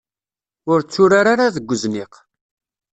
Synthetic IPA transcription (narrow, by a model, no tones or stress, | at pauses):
ʊɾt͡sːʊɾaɾaɾaðəɡʷːəzniq